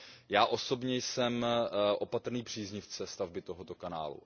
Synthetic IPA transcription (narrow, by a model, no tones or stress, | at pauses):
jaːʔo̞so̞bɲɛjsɛmʔo̞pat̪r̩niːpr̝̥iːzɲɪft͡sɛst̪avbɪt̪o̞ɦot̪okana̰ːlṵ